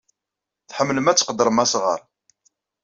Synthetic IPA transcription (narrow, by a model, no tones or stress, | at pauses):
θħəmːləmæt͡sːqəd̪əɾˤəmæsʁə̰ɾˤ